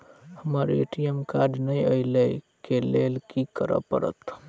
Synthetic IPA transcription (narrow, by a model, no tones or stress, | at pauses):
həməɾeʈijəmkaɾɖnəjəɪləjkelelkikəɾə̰pə̰ɾə̰t̪